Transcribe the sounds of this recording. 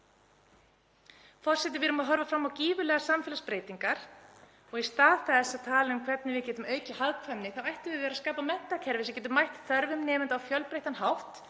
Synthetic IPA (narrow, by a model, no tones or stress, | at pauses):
fɔr̥sɛt̪ɪvɪɾʏmaðɦɔɾvafɾamːawciːvʏlɛːɣasamfɛːlaspɾeːjt̪iŋkaɾ̥ | ɔɣist̪aːðθɛsaðt̪ʰaːlaʏmkʰvɛt̪̚nɪvɪðcɛːt̪ʏmœːɥcɪhaðkʰvɛnnːɪθavajht̪ɪvɪðvɛːɾaskaːpamɛn̥t̪acʰɛɾvɪsɛmcɛːt̪ʏmajht̪θœɾvʏmnɛːmɪnt̪awfjœlpɾejht̪anɦawht̪